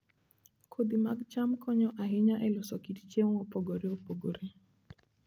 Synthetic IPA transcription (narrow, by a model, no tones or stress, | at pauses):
kʰod̪imaɡt͡ʃamkʰɔɲɔʔaɦɪɲaʔɛlʊsɔkitt͡ʃeŋopoɡoɾeopoɡoɾe